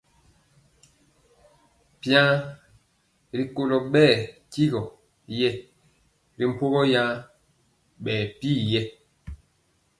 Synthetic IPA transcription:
pjã˦ | ɾi˨ko˨lɔ˨ɓɛː˦˨ki˦ɣɔ˨ | jɛ˦ | ɾi˨m̩˨po˦ɣɔ˦jã˦ | ɓɛː˨piː˦˨jɛ˦

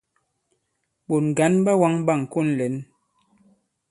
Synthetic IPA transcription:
ɓo˨n˨ɡa˨˦nɓa˦wa˦ŋɓa˦˨ŋ˨ku˦˨nlɛ˨˦n

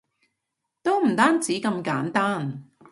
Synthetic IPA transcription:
t̪o˥wm̩˨˩t̪aː˥nt͡siː˨˥kɐ˧mkaː˨˥nt̪aː˥n

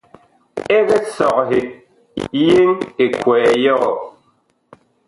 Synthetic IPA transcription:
e˦ɣe˦sɔ˨kɦe˨ | je˦ŋe˨kwɛː˨jɔ˦ɣɔ˨

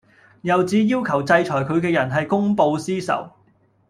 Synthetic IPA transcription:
jɐ˨wt͡siː˨˥jiː˥wkʰɐ˨˩wt͡sɐ˧jt͡ʃʰɔː˨˩jkʰɵ˨˧ɥkɛː˧jɐ˨˩nɦɐ˨jkʊ˥ŋpo˧wsiː˥sɐ̰˨˩w

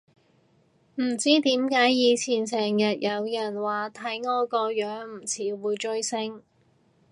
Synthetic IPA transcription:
m̩˨˩t͡siː˥t̪iː˨˥mkaː˨˥jjiː˨˧t͡sʰiː˨˩nsɛː˨˩ŋjɐ˨t̚jɐ˨˧wjɐ˨˩nwaː˨t̪ʰɐ˨˥jŋɔː˧kɔː˧jœː˨˥ŋm̩˨˩t͡sʰiː˨˥wuː˨˧jt͡ʃɵ˧ɥsɪ˥ŋ

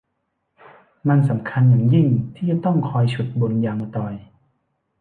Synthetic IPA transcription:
ma˧nsa˩˦mkʰa˧njaː˨˩ŋji˥˩ŋt̪ʰiː˥˩t͡ɕa˨˩t̪ɔ˥˩ŋkʰɔː˧jt͡ɕʰu˨˩t̪̚bo˧njaː˧ŋa˧t̪ɔː˧j

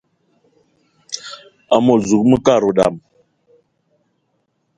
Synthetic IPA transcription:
a˨mo˨zu˨k̚mə˦ka˦˨ɾo˨ɗa̰˨m

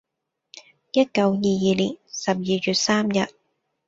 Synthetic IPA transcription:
jɐ˥t̚kɐ˧wjiː˨˧jiː˨˧liː˨˩nsɐ˨p̚jiː˨ɥyː˨˩t̚saː˥mjɐ˨t̚

